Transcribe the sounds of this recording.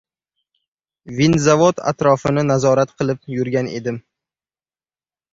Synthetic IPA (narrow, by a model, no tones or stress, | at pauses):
vinzavot̪ʰa̰t̪ɾɒfɪnɪnazɒɾat̪qʰɨlˠɪpjʊɾɡʲane̞̰d̪ɪm